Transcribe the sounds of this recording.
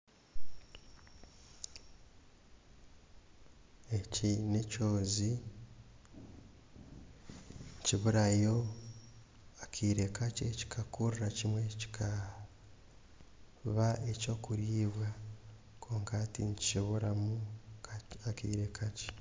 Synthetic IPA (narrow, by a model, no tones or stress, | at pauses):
ecinecoːzi | ɲciβuɾajo̞ | akʰiːɾekaceci̥kʰakuɾɾacimwe̞ci̥kʰa | βaeco̞ːkuɾiːβwa | kʰo̞ːŋkatiɲici̥ʃoβoɾamu | akḭːɾe̞kʰace